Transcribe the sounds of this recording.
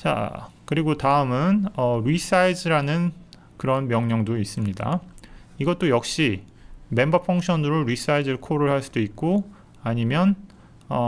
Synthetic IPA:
t͡ɕa̰kɯɾiɡotaɯmɯnʌɾis͈ʰaid͡ʑɯɾanɯn | kɯɾʌnmjʌŋɲʌŋdois͈ɯmɲida̰ | iɡʌt̚t͈ojʌk̚ɕ͈i | me̞mbʌpʰuŋkɕʰʌnɯɾoɾis͈ʰaidɯɭkʰoɾɯɭhaɭs͈ud̥oik̚k͈o | aɲimjʌn | ʌ

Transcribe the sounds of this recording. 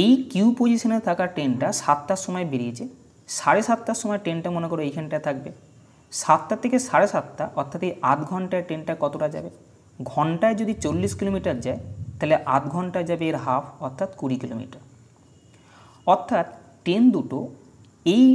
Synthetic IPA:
ejkuupod͡ʑiʃonet̪ʰakaʈenʈaʃat̪ːaʃɔmɔebeɾiet͡ɕʰe | ʃaɾeʃat̪ːaʃɔmɔeʈenʈamonekɔɾoejkʰɔnʈaet̪ʰak̚be | ʃat̪ːat̪ʰekeʃaɾeʃat̪ːaʔɔɾt̪ʰat̪ejʔat̪ɡʱɔɳʈaeɾʈenʈakɔt̪oʈad͡ʑa̰be | ɡʱɔɳʈaed͡ʑod̪it͡ɕolːiskilomiʈaɾd͡ʑaet̪aɦeleʔa̰t̪ɡʱɔɳʈad͡ʑabeeɾɦapʰɔɾt̪ʰat̪kuɽikilo̰mḭʈaɾ | ɔɾt̪ʰːat̪ | ʈend̪uʈo | ej

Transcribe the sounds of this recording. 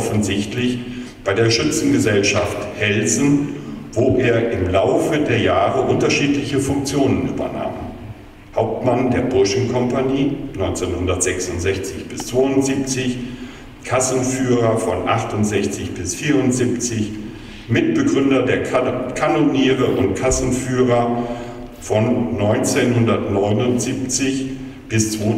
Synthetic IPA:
ɔfn̩zɪçtlɪçb̥aɪdeːɐʃʏt͡sn̩ɡəzɛlʃafthɛlzn̩voːʔeːɐʔɪmlaʊfədeːɐjaːʁəʔʊntɐʃiːtlɪçəfʊŋk̚t͡sjoːnənʔy̰ːbɐ̰na̰ːm | haʊp̚tmandeːɐbʊɐʃn̩kʰɔmpaɲiːnɔʏnt͡senhʊndɐtz̥ɛksʊntz̥ɛçt͡sɪçb̥ɪst͡sv̥oːʊntz̥iːp̚t͡sɪç | kʰasn̩fyːʁɐfɔnʔa̰χtʊntz̥ɛçt͡sɪçb̥ɪsfiːɐʁʊntz̥iːpt͡sɪç | mɪtb̥əɡʁʏndɐdeːɐkʰanoniːʁəʔʊntkʰasn̩fyːʁɐ | fɔnːɔʏnt͡senhʊndɐtnɔʏnʊntz̥iːpt͡sɪç | b̥ɪst͡sv̥o

